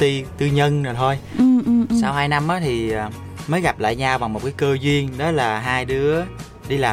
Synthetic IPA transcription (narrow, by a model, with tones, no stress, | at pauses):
i˧t̪ɨ˧ɲə˧nnɨː˨˩t̪ʰo˧jɨ˧saː˧whaː˧jna˧mʔaː˨˦t̪ʰi˨˩əː˨˩ | məː˨˦jɣa˨˩p̚la̰ː˧˨jɲaː˧wɓa˨˩ŋŋ͡mmo˨˩t̚kaː˨˦jkəː˧zwi˧ənɗɔ˨˦laː˨˩ɦaː˧jɗɨ˨˦ə | ɗi˧laː˨˩